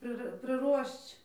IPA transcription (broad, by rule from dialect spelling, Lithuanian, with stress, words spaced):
ˈprɨ prɨˈruɔʃt͡ʃ